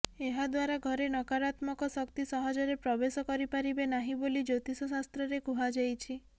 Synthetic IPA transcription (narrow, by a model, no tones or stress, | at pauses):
eɦad̪waɾaɡʱɔɾenɔkaɾat̪mɔkɔsɔkt̪isɔɦɔd͡ʒɔɾepɾɔbesɔkɔɾipaɾibenaɦibolid͡ʒot̪isɔsast̪ɾɔɾekuɦad͡ʒajt͡ʃʰi